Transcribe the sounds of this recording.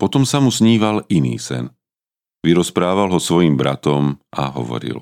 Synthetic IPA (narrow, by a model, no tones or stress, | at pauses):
pɔt̪ɔmsamusɲiːʋalinḭːsɛ̰n | ʋiɾɔspɾaːʋalˠɦɔsʋɔjimbɾa̰t̪ɔmʔaɦɔ̰ʋɔ̰ɾḭl